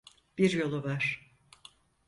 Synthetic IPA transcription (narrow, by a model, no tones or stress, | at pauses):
b̥iɾjo̞lˠuvaɾ̥